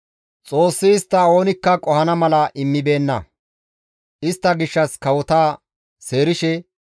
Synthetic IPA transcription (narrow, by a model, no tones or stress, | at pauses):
t͡sʼo̞ːsːɪːst̪ːɐo̞ːnɪkːɐkʼɔhɐnɐmɐlɐʔɪmːɪbe̞ːnːɐ̰ | ʔɪst̪ːɐɡɪʃːɐskɐwɔt̪aː | se̞ːɾɪʃɛ